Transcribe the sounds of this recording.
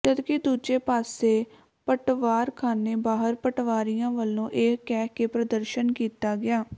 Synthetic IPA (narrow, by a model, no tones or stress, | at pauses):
t̪əd̪kɪd̪uːd͡ʒeːpaːseː | pəʈʋaːɾkʰaːneːbaːɦəɾpəʈʋaːɾijãːʋəlːõːʔɪkkɛːkeːpɾəd̪əɾʃənkiːt̪aːɡɪaː